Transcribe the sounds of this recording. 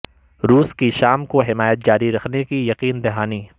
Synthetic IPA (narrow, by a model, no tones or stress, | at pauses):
ɾuːskiʃaːmkoɦɪmaːjət̪̚d͡ʒaːɾiɾɐkʰnekijɐqiːnd̪ɪɦaːni